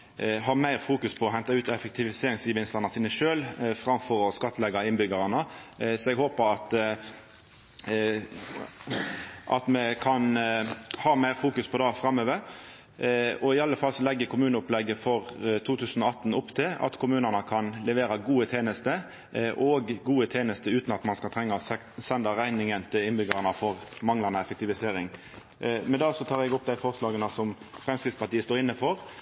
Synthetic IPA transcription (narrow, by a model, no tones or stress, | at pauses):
ɦɑːmæɪʁfuːkʉspʰɔɔɦɛnt̪ɑʉːt̪ɛfɛk̚t̪ʰɪʋɪseːɾɪŋsjəʋɪnst̪əʁnɑsiːnəʃøːlfʁɑmfɔɾɔskɑt̪ːlɛɡɑɪnbʏɡɑʁɑnəsɔɛɡhoːpəɾɑt̪ | ʔɑ̰t̪mɛkʰɑn | hɑːmæɪʁfuːkʉspʰɔd̪ɑfɾɑmːøːʋəɾ | ɔɪɑlːəfɑlsɔlɛɡːəkʰʊmʉːnəʊplɛɡːəfɔʁt̪ʰuːt̪ʰʉːsən̩ɔɑt̪ːn̩ʊpːt̪ʰɪlɑ̰t̪kʰʊmʉːnənəkʰɑnlɛʋeːɾɑɡuːət̪ʰeːnəst̪ə | ʔɔɡɡuːət̪ʰeːnəst̪əʉːt̪nɑt̪mɑnskɑlt̪ʰɾɛŋːəsɛ | sɛnd̪əɾæɪnɪŋənt̪ʰɪlɪnbʏɡɑʁnəfɔʁmɑŋlɑnəɛfɛk̚t̪ɪʋɪseːɾɪŋ | mɛnd̪ɑːsɔt̪ʰɑːʁɛɡʊp̚ːd̪æɪfɔʁslɑːɡənəsɔm | fʁɛmskɾɪtspɑʈ̪iːəst̪oːɾɪnːəfɔɾ